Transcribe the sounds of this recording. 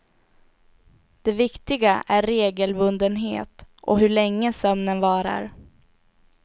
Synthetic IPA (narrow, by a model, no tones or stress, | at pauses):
d̪̥ɛvɪkt̪ɪɡaʔæɾːeːɡəlbɵnd̪ənɦḛːt̪ʔɔ̰ɦɵɭɛŋːəsœmnənvɑːɾa̰ɾ